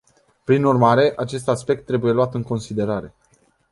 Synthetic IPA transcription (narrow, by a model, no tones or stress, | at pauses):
pɾinurmaɾe̞ʔat͡ʃe̞st̪aspe̞k̚t̪ːɾe̞buje̞luat̪ɨŋko̞nsid̪e̞ɾaɾe̞